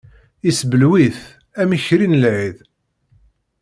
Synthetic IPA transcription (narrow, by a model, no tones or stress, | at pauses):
isbəlwiθ | æmiçɾinəlʕið